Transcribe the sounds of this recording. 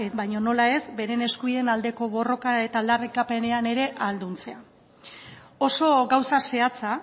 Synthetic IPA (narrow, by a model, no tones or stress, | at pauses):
ebajɲo̞no̞lae̞zbe̞ɾe̞ne̞skujenald̪e̞ko̞βo̞ro̞kae̞t̪aːld̪arikape̞ne̞ane̞ɾe̞ʔald̪unt͡sea | o̞so̞ɡawsase̞at͡sa